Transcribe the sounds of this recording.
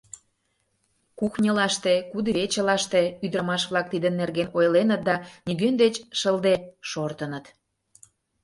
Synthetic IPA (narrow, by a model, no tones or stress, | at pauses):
kuxnʲəlɑʃt̪ekud̪əβet͡ɕə̆lɑʃt̪eyd̪ɾəmɑʃβlɑk̚t̪id̪ənːerɣenojlenət̪̚d̪ɑniɣønd̪et͡ɕʃəld̪eʃort̪ənət̪